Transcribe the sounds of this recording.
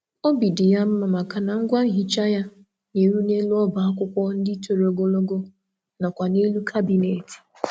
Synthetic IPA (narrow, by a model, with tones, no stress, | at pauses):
o˦bi˨dɪ˨ja˦m̩˦ma˨ma˨ka˨na˨ŋ̩˦ɡʷa˦ŋ̩˦ɦi˨t͡ʃa˦ja˦ | ne˨ɾu˦ne˦lu˦ɔ˦ba˨a˦kʷʊ˦kʷɔ˦n̩˦dɪ˦to˨ɾo˨˦ɡo˦lo˦ɡo˦ | na˨kʷa˨ne˦lu˦kʰa˦bi˨ne˨ti̥˨